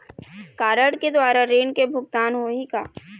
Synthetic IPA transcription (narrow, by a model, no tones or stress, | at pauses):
kaːɾəɽked̪waːɾaɾeːnkebʱʊɡt̪aːnɦoɦika̰ː